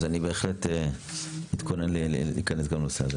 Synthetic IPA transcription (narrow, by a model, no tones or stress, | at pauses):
zanibe̞ːχlete | it̪kʰonenleḭːkanesɡamloseaze